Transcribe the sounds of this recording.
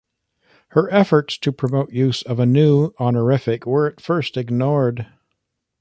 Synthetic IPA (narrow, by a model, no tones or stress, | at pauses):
hə˞ʔɛfə˞tstʰɨpʰɹ̥ɨmoʊʔjʉzʌvɨnʉɑnə˞ɪfɨkwə˞ɨtfɜ˞stɨɡnɔɹd